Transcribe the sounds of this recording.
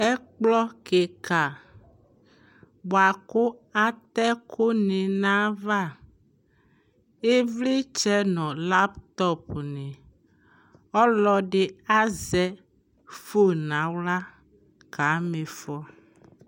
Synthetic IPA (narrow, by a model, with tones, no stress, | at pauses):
ɛ˦k͡plɔ˦ke˨ka˨ | bo˨a˨ko˦a˦t̪ɛ˦kʰo˦nẽ˨nã˦va˦˨ | e˦vli˦t͡ʃɛ˦nɔ̃˨la˦pt̪ɔ˦pnɛ̃˨ | ɔ˦lɔ˦ɖe˨a˦zɛ˦ | fo˦nã˨˦wla˦ | ka˨˦mẽ˨fɔ˦